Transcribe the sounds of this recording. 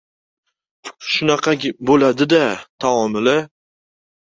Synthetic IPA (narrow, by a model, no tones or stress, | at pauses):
ʃʊnɑqʰɑɡʲbolad̪ɪd̪at̪ʰaɒmɪlɪ